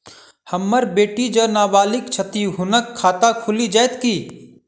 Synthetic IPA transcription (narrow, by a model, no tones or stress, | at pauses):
həmːəɾbeːʈid͡ʒəːnaːbaːlɪkt͡ʃʰət̪iɦʊnəkʰːaːt̪akʰʊlid͡ʒaːet̪kiː